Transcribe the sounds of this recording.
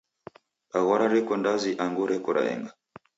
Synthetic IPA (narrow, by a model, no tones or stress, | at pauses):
aɣɔɾaɾɛkɔndaziʔaŋɡuɾɛkɔɾa̰ɛ̰ŋɡa